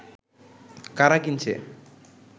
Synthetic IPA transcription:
kaɾakint͡ʃʰḛ

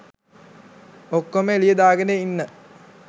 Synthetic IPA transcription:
okːoməelijəd̪aːɡəneinːə

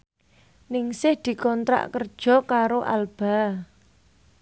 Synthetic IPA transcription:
nɪŋsɪhd̪̥i̤kɔnt̪ɾa̰ʔkərd̥ʒ̥ɔ̤kaɾoʔa̰lb̥a̤

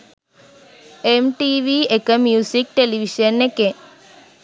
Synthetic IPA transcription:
emʈiːʋiekəmjuːsik̚ʈeliʋiʃənːeke

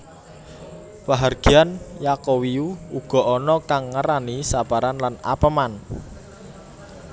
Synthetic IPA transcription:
paɦarɡ̥i̤anjakowiuuɡ̥ɔ̤ʔɔnɔkaŋːəɾanisapaɾanlana̰pəman

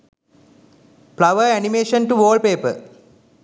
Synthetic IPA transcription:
plɐʋəenimeːʃənʈuʋoːlpeːpə̰

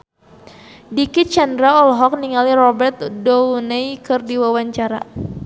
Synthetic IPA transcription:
dikit̪̚t͡ʃandɾaɔlɦɔk̚niŋalirɔbɛrt̪̚dɔwnejkɨrdiwawaɲt͡ʃaɾa̰

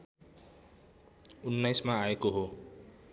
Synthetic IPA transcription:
unːajsmaaekoɦo

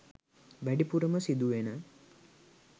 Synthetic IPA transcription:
ʋæɖipuɾəməsid̪uʋenə

